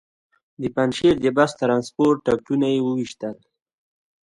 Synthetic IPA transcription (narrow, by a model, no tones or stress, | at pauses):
d̪əpanʃeɾd̪əbast̪ɾɑnspoɾʈːak̚ʈunajewəwiʃt̪əl